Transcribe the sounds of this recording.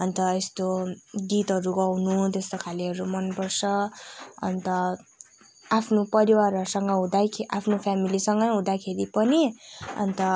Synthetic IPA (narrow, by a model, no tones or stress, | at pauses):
ʌnt̪ʌest̪oɡit̪ɦʌɾuɡʌwnut̪est̪okʰaliɦʌɾumʌnpʌrt͡sʰʌʌ̰nt̪ʌ | apʰnopʌɾiwaɾʌɾusʌŋɡʌɦũd̪ajʰapʰnopʰjamilisʌŋɡʌjɦũd̪akʰeɾipʌniʌ̰nt̪ʌ